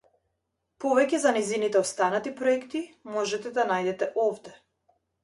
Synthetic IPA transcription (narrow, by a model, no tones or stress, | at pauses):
pɔvɛcɛzanɛjzinit̪ɛɔst̪anat̪ipɾɔɛkt̪imɔʒɛt̪ɛd̪anajd̪ɛt̪ɛʔɔvd̪ɛ